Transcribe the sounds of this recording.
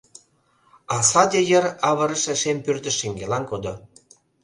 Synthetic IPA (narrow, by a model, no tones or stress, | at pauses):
ɑsɑd̪ʲejəɾɑβɤ̆ɾə̆ʃĕʃempyrt̪ə̆ʃːeŋɡelɑnkod̪ŏ